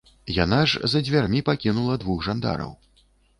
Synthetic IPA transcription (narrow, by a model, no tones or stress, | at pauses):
janaʐzɐd͡zʲvʲarmʲipakʲinulˠɐd̪vuɣʐand̪a̰ɾɐ̰w